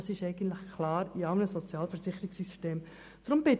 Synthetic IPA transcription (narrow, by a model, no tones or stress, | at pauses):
ɑsɪʃɛɪɡ̥ən̩t̪ləχkʰlɑːɾiɑʊnəsɔt͡sjɑːlfɛɾzɪχːəɾɪksisteːm | d̥ɾʊmb̥ɪt